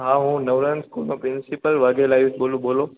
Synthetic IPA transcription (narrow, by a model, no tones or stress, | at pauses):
ɦãːɦũːnɐʋɾənskuːlmãpɾɪnsɪpəlʋaɡelaːɪusɓoːluɓoːlo